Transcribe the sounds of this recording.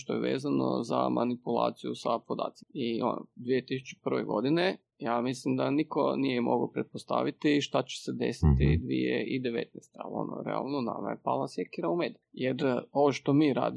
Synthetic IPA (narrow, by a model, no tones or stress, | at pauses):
ʃt̪ojeʋeːzanozamʔanipulˠa̰ːt̪sijusapod̪a̰ːt̪simio̰nod̪ʋijet̪isu̥t͡ʃe̥pr̩ʋeɡo̞d̪ine | jaːmislimd̪aniko̞̰nijɛmʔoɡaopɾet̪̚post̪a̰ʋit̪iʃt̪at͡ɕe̥sed̪esit̪id̪ʋijeʔid̪eʋet̪̚nɛst̪ea̰lio̞̰noɾea̰lˠnona̰majepaːlˠasjekiɾaumeːd̪ajeɾoʋoʃt̪omiːɾa̰ːd̪i